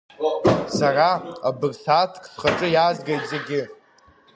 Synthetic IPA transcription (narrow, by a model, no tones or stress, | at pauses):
saraabɨrsatʰkʰʼsχaʈ͡ʂʼɨjaːzɡejtʼze̞ɡʲɪ